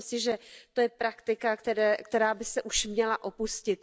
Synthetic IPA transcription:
msɪʒɛt̪ojɛpɾakt̪ɪkakt̪ɛɾɛːkt̪ɛɾaːbɪsɛʔuʃmɲɛlaʔo̞puscɪt̪̚

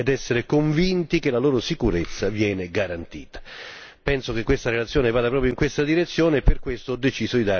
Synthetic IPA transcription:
ɛd̪ɛsːeɾekoɱvint̪ikelaloːɾosikuɾet̪sːavjɛːneɡaɾant̪ḭːt̪ḁ | pɛnsok̟ekːwest̪aɾelat̪sːjɔːnevaːd̪apɾɔːpɾjoiŋkwest̪ad̪iɾet̪sːjoːneːpːerkwest̪oɔd̪ːet͡ʃiːzod̪id̪a

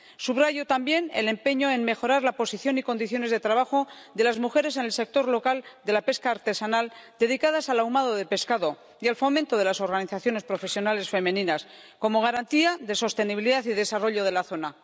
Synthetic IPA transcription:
suβraʝot̪ambje̞nele̞mpe̞ɲo̞e̞nme̞xo̞ɾaɾlapo̞siθjo̞niko̞nd̪iθjo̞ne̞zðe̞t̪ɾaβ̞axo̞d̪e̞lazmuxe̞ɾe̞se̞nelse̞k̚t̪o̞ɾlo̞kald̪e̞lape̞skaːɾt̪e̞sanald̪e̞ð̞ikaðasalawmaðo̞ðe̞pe̞skaðo̞ | ialfo̞mẽnt̪o̞ðe̞laso̞ɾɣaniθaθjo̞ne̞spɾo̞fe̞sjo̞nale̞sfe̞mẽ̞nĩnas | ko̞mo̞ɣ̞aɾant̪iaðe̞so̞st̪e̞niβiliðaθiðe̞saro̞ʎo̞ð̞e̞laθo̞na

